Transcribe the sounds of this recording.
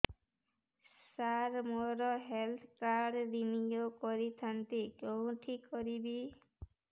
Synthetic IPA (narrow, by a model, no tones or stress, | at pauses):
saɾmɔɾɔɦelt̪ʰkaɾdinijokɔɾit̪ʰant̪ekew̃ʈʰikːɔɾibi